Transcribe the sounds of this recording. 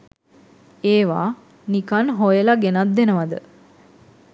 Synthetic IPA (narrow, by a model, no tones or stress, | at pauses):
eːʋaː | nikanɦojəlaɡenat̪̚d̪enəʋad̪ə